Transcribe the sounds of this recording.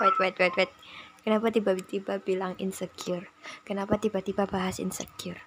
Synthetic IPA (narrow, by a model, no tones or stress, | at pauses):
wat̪wait̪wajt̪wat̪̚kənapat̪ibat̪ibab̥ilaŋɪ̰nsəkɪrkənapat̪ibat̪ibabaɦasɪ̰nsə̰kɪr